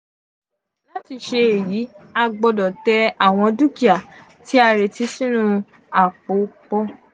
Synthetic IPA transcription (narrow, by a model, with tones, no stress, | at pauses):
la˦ti˨˧˨ʃe˧e˨ji˨˦a˧ɡ͡bɔ˧dɔ˨tɛ˧˦a˨w̃ɔ̃˧du˦ki˦a˨ | tʰi˨˦a˧ɾe˨ti˨˦sĩ˦nũ˦˧ | a˨k͡po˨˦k͡pɔ˦